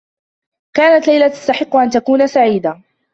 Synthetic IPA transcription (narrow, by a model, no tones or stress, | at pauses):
kaːnat̪lajlat̪ḁst̪aħɪqːʊʔant̪akuːnasaʕiːd̪a